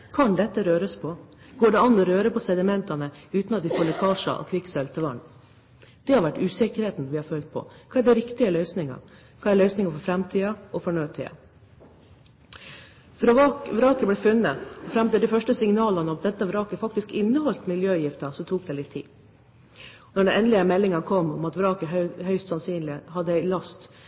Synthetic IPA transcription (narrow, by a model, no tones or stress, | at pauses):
kʰɑnd̪ɛt̪ːəɾøːɾəspʰɔ | ɡ̥oːɖɛɑnːɔɾøːɾəpʰɔsɛd̪ɪmɛnt̪ɑnəʉːt̪nɑt̪ʋɪfoːɭɛkʰɑːʂɑ̰ʔɔ̰kʰʋɪksɛlt̪əʋɑ̰ɳ | d̪̥ɛhɑɾʋæʈːʉːsɛkəɾheːt̪n̩ʋɪhɑɾfœlt̪̚pʰɔ̰kʰɑːæɖɛɾɪkt̪ɪəlœʏsnɪŋɑ̰ | kʰɑːæɭœʏsnɪŋəfɔɾfɾɛmt̪ʰiːɑɔfɔɳøːt̪ʰɪ̰ːɑ̰ | fɾɔʋɑːkʋɾɑːkəblɛːfʉnːəɔfɾɛmt̪ɪld̪ɪfœʂʈəsɪŋnɑːlɑnəɔmd̪ɛt̪ːəʋɾɑːkəfɑk̚t̪ɪskɪnːəhɔlt̪mɪljøːjɪft̪ɑsɔt̪ʰuːk̚d̪ɛːlɪt̪ʰːḭː | nɔɖɛnɛnlɪəmɛlːɪŋɑnkʰɔmːɔmɑt̪ʋɾɑːkəɦhœʏst̪sɑnsyːnlɪhɑd̪ːəæɪlɑst̪